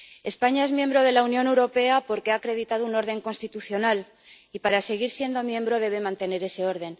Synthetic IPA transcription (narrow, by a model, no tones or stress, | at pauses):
e̞spaɲae̞zmje̞mbɾo̞ð̞e̞launjo̞ne̞wɾo̞pe̞apo̞ɾke̞aːkɾe̞ðit̪að̞ouno̞ɾð̞e̞ŋko̞nst̪it̪uθjo̞nal | ipaɾase̞ɣ̞iɾsje̞nd̪o̞mjẽ̞mbɾo̞ðe̞β̞e̞mãnt̪e̞ne̞ɾe̞se̞o̞ɾð̞e̞n